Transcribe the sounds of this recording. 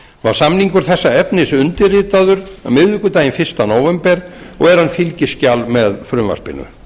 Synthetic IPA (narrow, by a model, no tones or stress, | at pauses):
vaɾ̥samniŋkʏɾ̥θɛsːaɛpnɪsʏnt̪ɪrɪːt̪aðʏɾa̰mɪðvʏkʏt̪aːjɪnfɪr̥st̪anoːwvɛmpɛɾɔ̰ɣɛɾ̥hanːfɪlcɪscalmɛðfɾʏmva̰spɪ̰nːʏ̰